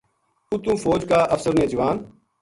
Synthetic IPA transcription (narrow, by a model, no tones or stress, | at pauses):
ut̪ũːfoːd͡ʒkaːʔəfsəɾneːd͡ʒəʋaːn